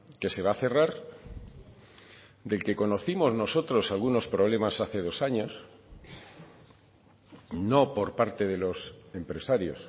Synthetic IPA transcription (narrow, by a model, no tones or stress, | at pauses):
ke̞se̞β̞aθe̞raɾ | d̪e̞lke̞ko̞no̞θimo̞zno̞so̞t̪ɾo̞salɣuno̞spɾo̞β̞le̞masaθe̞ð̞o̞saɲo̞s | no̞po̞ɾpaɾt̪e̞ð̞e̞lo̞sempɾe̞saɾjo̞̰s